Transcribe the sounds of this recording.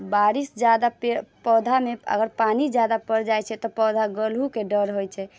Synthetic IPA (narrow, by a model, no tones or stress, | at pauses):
baɾisd͡ʒad̪apepɔd̪ʱameə̰ɡəɾpanid͡ʒjad̪apəɾd͡ʒajt͡ʃʰɛt̪ɔpɔd̪ʱaɡəlɦukeɖəɾɦojt͡ʃʰɛ